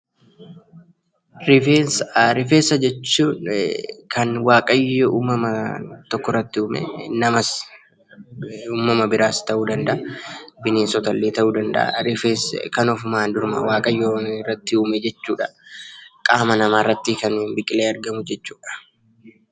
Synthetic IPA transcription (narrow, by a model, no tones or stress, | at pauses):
ɾɪfeːnsɾɪfeːsːɐd͡ʒɛt͡ʃːuːnkɐnwaːkʼɐjːoʔuːmɐmɐt̪ɔkːɔrːɐt̪ːɪʊːmɛ̰nɐmɐs | uːmɐmɐbɪɾaːst̪ɐʔuːd̪ɐnd̪ɐʔɐbɪneːnsɔt̪ɐlːeːt̪ɐʔuːd̪ɐnd̪ɐ̰ʔɐ̰ɾɪfeːskɐnɔfʊmaːnd̪ʊɾmɐ̰waːkʼɐjːoːnɪrːɐt̪ːɪuːmed͡ʒɛt͡ʃːuːᶑɐ | kʼaːmɐnɐmaːrːɐt̪ːɪkɐnuːnbɪkʼɪleːɐɾɡɐmʊd͡ʒɛt͡ʃːu̥ːᶑɐ̥